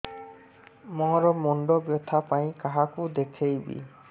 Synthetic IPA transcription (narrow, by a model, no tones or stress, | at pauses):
mɔ̃ɾɔmɔɳɖɔbjɔt̪ʰapaĩkaɦakud̪ekʰejbḭ